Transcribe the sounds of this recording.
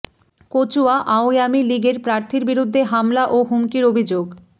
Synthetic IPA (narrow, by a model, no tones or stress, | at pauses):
kot͡ɕuaʔaojamiliɡeɾpɾaɾt̪ʰiɾbiɾud̪ʱːeɦamlaʔoɦumkiɾobʱid͡ʑoɡ